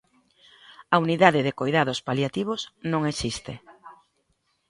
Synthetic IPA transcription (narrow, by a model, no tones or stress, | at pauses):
auniðaðɪðekojðað̞ʊspaljat̪iβ̞osnõŋesist̪e